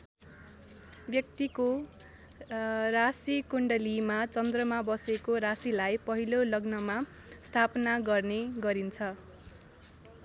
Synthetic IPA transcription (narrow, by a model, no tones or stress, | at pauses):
bjʌk̚t̪iko | rasikuɳɖʌlimat͡sʌnd̪rʌmabʌsekoɾasilajpʌɦilolʌɡnʌmast̪ʰapnaɡʌrneɡʌɾint͡sʰʌ